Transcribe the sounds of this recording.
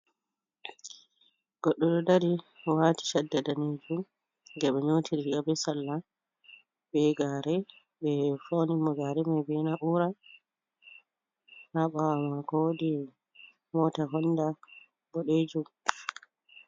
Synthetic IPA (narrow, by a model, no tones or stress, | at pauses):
ɡ̥ɔɗːɔɗɔdaɾiwati̥ʃadːadaned͡ʒum | ɡɛɓɛɲotʰiɾihiʔabɛsalːa | bɛɡaːɾɛ | bɛfonimɔɡaɾɛmajbɛnaʔuɾa | haɓawamakɔwodi | mɔːtaɦɔnda | bɔɗed͡ʒum